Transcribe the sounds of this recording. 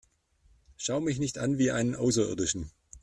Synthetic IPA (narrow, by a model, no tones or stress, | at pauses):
ʃaʊmɪçnɪçtʔanviːʔaɪnənʔaʊs̬ɐʔɪ̰ɐdɪʃn̩